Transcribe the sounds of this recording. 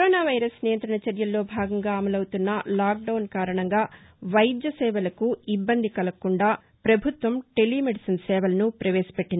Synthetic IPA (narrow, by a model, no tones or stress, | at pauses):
kɐɾoːnaːʋɐjɾɐsnijɐnt̪ɾɐɳɐt͡ʃɐɾjɐlːo̞ːbʱaːɡɐŋɡaːɐmɐlɐwut̪unːɐlaːk̚ɖɐwnkaːɾɐɳɐŋɡaː | ʋɐjd̪jɐsɛːʋɐlɐkuibːɐnd̪ikɐlɐkuɳɖaː | pɾɐbʱut̪ʋɐmʈelːiːmeɖisɐnsɛːʋɐlɐnupɾɐʋeːsɐ̥peʈːin